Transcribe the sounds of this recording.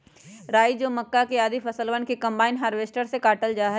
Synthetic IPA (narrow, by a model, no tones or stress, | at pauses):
ɾaːid͡ʒoːmɐkːakeaːd̪ifʰɐsəlʋənkekɐ̃mbaːɪnɦaːɾʋeːsʈəɾsekaːʈəld͡ʒaːɦɛ